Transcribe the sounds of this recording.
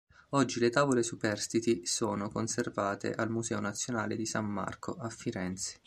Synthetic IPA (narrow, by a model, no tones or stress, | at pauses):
ɔd͡ʒːilet̪aːvolesupɛrst̪it̪isoːnokonservaːt̪ḛʔalmuzɛːonat̪sːjonaːled̪isamːa̰rkoʔafːiɾɛnt̪se̥